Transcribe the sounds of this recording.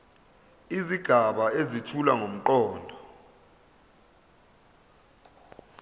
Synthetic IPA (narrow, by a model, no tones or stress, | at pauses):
iziɡ̥ʱaɓaezitʰula̰ŋom̩ǃɔːndʱɔ